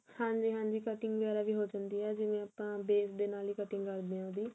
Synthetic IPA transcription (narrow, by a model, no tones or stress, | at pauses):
hãːɲd͡ʒiːɦãːɲd͡ʒiːkəʈɪŋɡʋəɡɛːɾaːʋiːɦoːd͡ʒand̪iːɛːd͡ʒɪʋẽːaːpãːbeːsd̪eːnaːliːkəʈɪ̃ŋɡkəɾd̪eãːod̪iː